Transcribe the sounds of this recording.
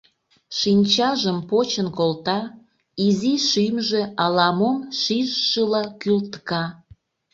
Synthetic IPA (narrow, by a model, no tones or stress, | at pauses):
ʃinʲt͡ɕɑʒəmpot͡ɕənkolt̪ɑ | iziʃymʒeɑlɑmomʃiʒʃəlɑkylt̪kɑ